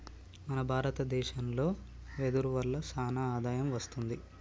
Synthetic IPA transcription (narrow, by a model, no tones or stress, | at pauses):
mɐnɐbʱaːɾɐt̪ɐd̪ɛːʃɐnlo̞ː | ʋed̪uɾuʋɐlːɐsaːnaaːd̪aːjɐmʋɐst̪und̪i